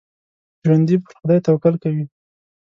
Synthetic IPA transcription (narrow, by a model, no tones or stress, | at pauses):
ʒwand̪ipəɾxʊd̪ɑjt̪awkalkawi